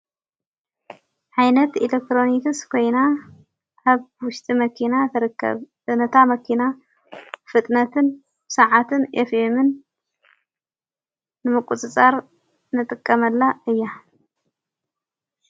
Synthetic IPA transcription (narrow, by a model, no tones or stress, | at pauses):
ʕajnɐt̪ilek̚t̪ɾo̞nikɨskʰo̞jna | aβwʊʃt̪ʼimɐkʰinat̪ʰɐɾkːɐ̰β | nɐt̪ʰamɐkʰina | fɨt̪ʼnɐt̪ʰɨn | bsaʕat̪ʰɨnʔḛfemɨn | ɨmɨkʼut͡sʼɨt͡sʼaɾ | nɨt̪ʼɨkʼːɐmɐlːaɨjːa